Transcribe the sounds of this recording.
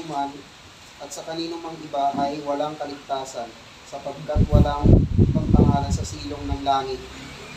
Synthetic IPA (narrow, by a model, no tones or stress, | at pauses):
man | ʔɐt̪̚sɐkɐliːnʊmɐŋʔɪbaːɦɐjwɐlaŋkɐlɪɡ̚t̪aːsɐn | sɐpɐɡ̚kɐt̪wɐlaŋpɐɡ̚pɐŋaːlɐsɐsiːloŋnɐŋlaːŋɪt̪̚